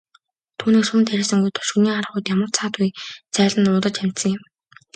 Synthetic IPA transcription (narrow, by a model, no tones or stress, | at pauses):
t̪ʰuːniːkʃuːnt̪ʰæɾʲeːsə̆ŋɡujt̪ʰɔ̥ʃuniːaɾə̆χʊjt̪jamə̆rt͡sʰaːt̪ujt͡sæːɮə̆nʊːt̪ə̆t͡ɕæm̥ʲt̪sə̆ŋjɪ̆m